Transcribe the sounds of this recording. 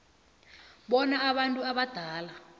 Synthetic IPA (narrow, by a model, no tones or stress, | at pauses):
ɓɔnaːɓantʼuaɓad̥ʱaːla